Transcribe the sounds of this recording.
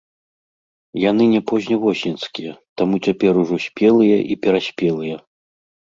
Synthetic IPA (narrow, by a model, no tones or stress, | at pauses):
janɨnʲɛpɔzʲnʲɐvɔsʲnʲɛnskʲijɐt̪amut͡sʲapʲɛɾuʐɔsʲpʲɛlˠɨjɐʔipʲɛɾasʲpʲɛlˠɨjɐ